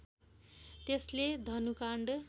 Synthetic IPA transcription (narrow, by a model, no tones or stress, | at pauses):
t̪esled̪ʱʌnukaɳɖ